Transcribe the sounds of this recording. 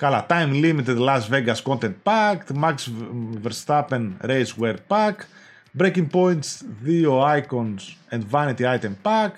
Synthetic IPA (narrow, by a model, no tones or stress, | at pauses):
kɐlat̪ajmlimit̪ed̪lɐsveɡɐsko̞nt̪ent̪̚pɐkt̪maksveɾst̪apenɾejzweɾpɐk | bɾekiŋɡ̚po̞jnt̪svioajkonsẽnd̪vɐnit̪iajt̪empak